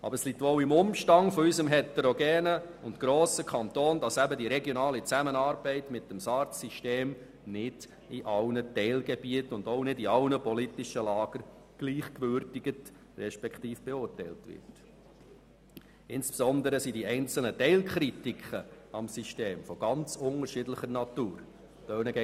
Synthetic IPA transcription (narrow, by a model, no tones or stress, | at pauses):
ʔɑ̰b̥əɾslitʋoːʊimʊmʃtɑŋfɔysəmɦɛtɛɾɔɡɛːnəʊntɡ̥ɾoːsəkʰχɑnt̪oːnd̥ɑsæbədiɾɛɡjɔnɑːlit͡sæmənɑːɾb̥ɛɪtmɪtːəmsɑːɾtsiʃteːm | nɪd̥ | iʔɑlnətɛɪlɡɛbiətʊndoʊnɪdiɑlnəpɔlitɪʃəlɑːɡ̥əɾ | ɡ̥liːχkʋʏɾtɪɡ̥ət | rɛʃpɛkχtiːfb̥ɛʊːrtɛɪltʋɪ̰rt | ɪnspsɔnd̪əɾəsidiɛɪnt͡sl̩nətɛɪlkχɾitikχə | ɑmsiʃteːmfɔɡ̥ɑnt͡sʊŋəɾʃɪdləχəɾnɑtuːɾ | tœnəɡɛ